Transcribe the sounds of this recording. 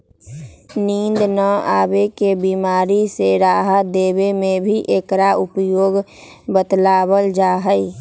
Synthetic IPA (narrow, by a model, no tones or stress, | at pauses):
niːnd̪nəaːbekebiːmaːɾiseɾaːɦəd̪eːbemẽbʱiʔeːkɾaʊpjoːɡ | bət̪laːbəld͡ʒaːɦəi